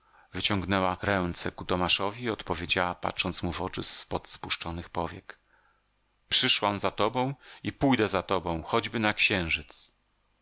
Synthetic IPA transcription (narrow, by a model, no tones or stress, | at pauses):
vɘt͡ɕɔŋɡnɛwaɾɛnt̪sɛkut̪ɔmaʂɔvʲiɔt̪pɔvʲjed͡ʑawapa̰tʂɔnt̪smuvɔt͡ʂɘspɔt̪spuʂt͡ʂɔnɘxpɔvʲjɛk | pʂɘʂwamzat̪ɔbɔ̃w̃ipujd̪ɛzat̪ɔbɔ̃w̃xɔd͡ʑbɘnakɕɛ̃w̃ʐɘt̪s